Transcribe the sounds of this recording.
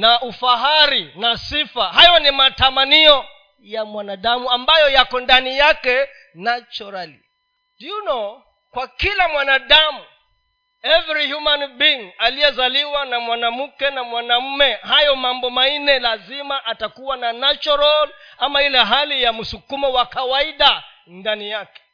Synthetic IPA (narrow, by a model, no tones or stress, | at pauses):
naʔufaɦaɾinasifaɦajɔnimatamaniɔ | jamwanaɗamuambajɔjakɔndanijakɛ | nat͡ʃɔɾali | djunɔ | kwakilamwanaɗamu | ɛvɛɾihjumanbiŋalijɛzaliwanamwanam̩kɛnamwanam̩mɛhajɔmambɔmanɛlazimaʔatakuwananat͡ʃɔɾɔlamailɛɦalijam̩sukumɔwakawaiɗa | ndanijakɛ̥